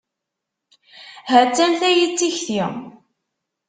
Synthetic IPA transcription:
ɦæt͡sːænθæjit͡sːiçθiʁ

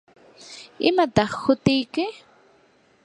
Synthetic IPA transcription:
ɪmat̪ɑχhʊt̪ɪjkɪ

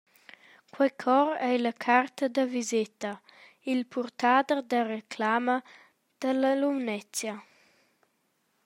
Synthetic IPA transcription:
kwɛjkʰɔɾɛjlɐkʰart̪əd̪əvizet̪a | ilpʰurt̪ad̪ərd̪ərekʰlamə | d̪̥ələlumnɛt͡sja

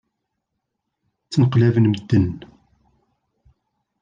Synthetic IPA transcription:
t͡sːnəqlævənməd̪ːən

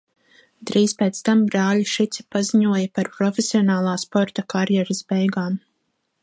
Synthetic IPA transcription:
d̪ɾiːspeːt̪st̪ambɾaːliʃit̪si̥paziɲuɔjɐpaɾpɾɔfesiɔnaːlˠaːspɔɾt̪akaɾjɛɾasbɛjɡaːm

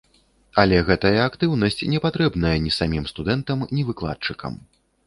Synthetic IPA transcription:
ɐlʲɛɣɛt̪ɐjɐakt̪ɨwnɐsʲt͡sʲnʲɛpat̪ɾɛbnɐjɐnʲisamʲimst̪ud̪ɛnt̪ɐmnʲivɨklˠa̰t̪̚t͡ʂɨkɐ̰m

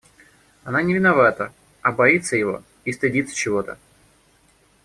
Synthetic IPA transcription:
ɐnanʲɪvʲɪnɐvat̪ə | ɐbɐit̪səjɪvo̞̰ | ist̪ɨdʲit̪sə̥t͡ɕɪvo̞t̪ə̰

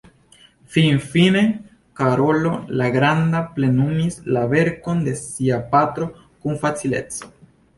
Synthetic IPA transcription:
finfine̞ | kaɾo̞lo̞laɡɾandaple̞numislave̞ɾko̞nde̞siapat̪ɾo̞ | kunfat͡sile̞̰t͡so̥

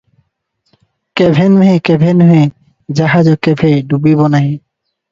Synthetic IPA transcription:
kebʱenɦekebʱenɦe | d͡ʑaɦad͡ʑokːebʱeɖubibɔnaɦe

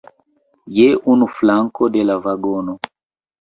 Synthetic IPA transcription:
jɛʔunuflaŋkɔdɛlavaɡɔnɔ

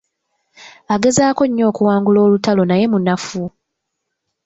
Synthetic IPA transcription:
aɡe̞zaːko̞ɲːo̞ːkuwaːŋɡulo̞ːlutalo̞naje̞munafu

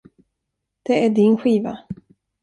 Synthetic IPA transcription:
d̪̥ɛæɖɪnɧiːva̰

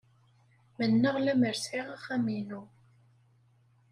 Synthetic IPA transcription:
mənːəʁlæməɾsʕiʁaχæminu

